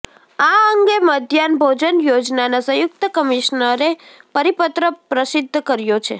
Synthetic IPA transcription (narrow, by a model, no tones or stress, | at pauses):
aəŋɡeməd̪ʱjanbʱod͡ʒənjod͡ʒnanasə̃jʊk̚t̪əkəmiʃnəɾepəɾipət̪ɾəpɾəsɪd̪ʱːkəɾjot͡ʃʰḛ